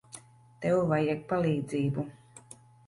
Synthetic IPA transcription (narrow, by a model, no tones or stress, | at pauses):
t̪ɛwvajɛk̚palˠiːd̪ziːbu